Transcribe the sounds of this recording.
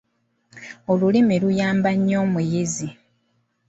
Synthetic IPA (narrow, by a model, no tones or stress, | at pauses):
o̞lulimilujaːmbaɲːo̞ːmujizi